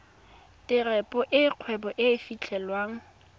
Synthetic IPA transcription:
tʼɪrɛpʼɔʔɪq͡χʰwɛbɔʔɪfit͡ɬʰɛlwaːŋ̩

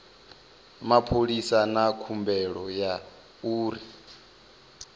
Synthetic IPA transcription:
mapʰoɺisanakʰumbɛɺɔja | uːɾi

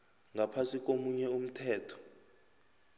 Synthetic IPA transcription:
ŋɡʱapʰasik̬ʼomuɲɛum̩tʰɛːtʰɔ̥

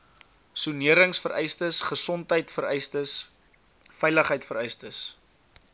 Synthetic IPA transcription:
suniəɾəŋsfəɾʔɛjstəsχəsɔntɦəjtfəɾɛjstəs | fɛjləχəjtfəɾɛjstəs

